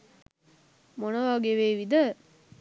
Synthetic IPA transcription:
monəʋaɡeʋeːʋid̪ə

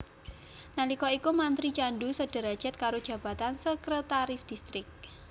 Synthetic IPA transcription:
nalikɔikumant̪ɾit͡ʃanɖusəɖ̥ə̤ɾad̥ʒ̥ə̤t̪̚kaɾod̥ʒ̥a̤b̥a̤t̪ansəkɾət̪aɾɪsd̥ist̪ɾɪk̚

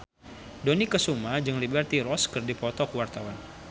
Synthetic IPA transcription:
donikəsumad͡ʒəŋlibərt̪iɾɔskərdipɔt̪ɔkəwart̪awan

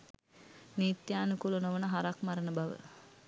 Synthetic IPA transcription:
nit̪jaːnukulunoʋənəɦaɾakmaɾənəbaʋə̰

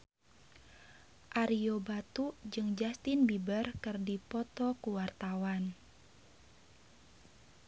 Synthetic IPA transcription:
ʔaɾiobat̪ud͡ʒɨŋd͡ʒast̪ɪnbibərkɨrdipɔt̪ɔkuwart̪awan

